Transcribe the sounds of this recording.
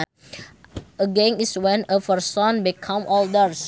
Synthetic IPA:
əɡẽŋiswɛ̃nəfərsɔ̃nbikʰãmʔɔldəɾs

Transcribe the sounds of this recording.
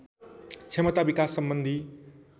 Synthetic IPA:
t͡sʰemʌt̪abikasːʌmbʌnd̪ʱi

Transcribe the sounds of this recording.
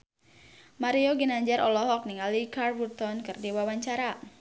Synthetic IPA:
maɾioɡinaɲd͡ʒaɾʔɔlɔɦɔk̚niŋalikarbut̪ɔnkɨrdiwawaɲt͡ʃaɾa

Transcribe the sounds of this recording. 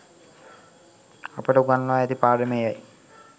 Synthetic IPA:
ɐpːɐʈuɡɐnloːɐd̪ipaːɖɐmɛjaːji

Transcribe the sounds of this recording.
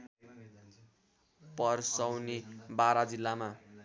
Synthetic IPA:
pʌrsʌwnibaɾad͡zilːama

